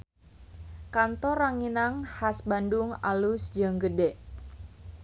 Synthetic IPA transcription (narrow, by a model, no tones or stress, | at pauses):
kant̪ɔraŋinaŋhasbandʊŋa̰lusd͡ʒəŋɡədɛʔ